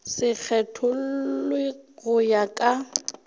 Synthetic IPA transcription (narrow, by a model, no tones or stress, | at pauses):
sɪk͡xʰɛtʰʊl̩lwɪɣʊjakʼa